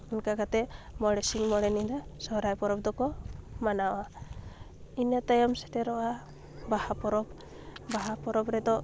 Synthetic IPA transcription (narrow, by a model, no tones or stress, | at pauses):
inkakat̪ɛmɔɽɛsiŋmɔɽɛnid̪asɔɦɾajpɔɾɔb̚d̪ɔkɔmanawa | inat̪ajɔmsɛ̥ʈɛɾɔʔa | bahapɔɾɔb | baɦapɔɾɔbɾɛd̪ɔ